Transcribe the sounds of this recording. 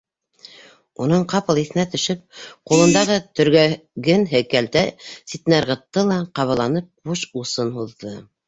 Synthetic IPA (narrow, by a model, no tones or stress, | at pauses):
unɤɴqɑpɤ̆lˠiθɘ̆næt̪ɵ̆ʃɘp̚qulˠɤ̆nd̪ɑʁɤt̪ɵ̆ɾɡæɡɘnɦɘ̆kælt̪æsit̪næɾʁɤ̆t̪ːɤlˠɑqɑβɤ̆lˠɑnɤp̚buʃusɤnhuðːɤ